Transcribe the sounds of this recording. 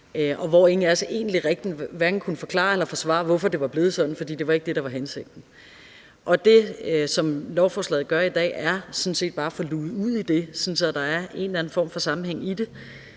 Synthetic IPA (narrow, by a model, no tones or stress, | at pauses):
ʔɒ̽ʋɒe̝ŋ̩ælsəʔe̝̰ːn̩liʁeɡ̥̚d̥nʋæɐɡ̥n̩kʰunəfɒ̽kʰlɑ̰̈ːelɐfɒ̽sʋɑ̰̈ʋɒfɒ̽d̥e̝ʋɑ̈b̥le̝ːðˠsɒ̽d̥n̩fɒ̽d̥ḭːd̥e̝ʋɑ̈e̝ɡ̥̚d̥e̝ɾ̥ɑ̈ʋɑ̈ɦenseɡ̥̚d̥n̩ | ʔɒ̽d̥e̝sɒ̽mlɒʊfɒːslɛ̰ːð̩ˠɡ̥ɶɐid̥ɛ̰ːæɐsɔ̽n̩se̝̰ːd̥̚b̥ɑ̈ːfɒ̽luːuð̰ˠid̥e̝sɔ̽n̩sɒd̥ɑ̈æɐe̝̰ːnlæn̩fɒ̰ːmfɒ̽sɑ̈m̩heŋ̰id̥e̝